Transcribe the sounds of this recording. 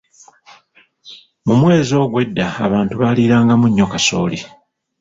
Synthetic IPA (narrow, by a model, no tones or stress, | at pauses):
mumwe̞ːzo̞ːɡwe̞dːa̰ːβaːntuβaliɾaːŋɡamuɲːo̞kaso̞̰ːli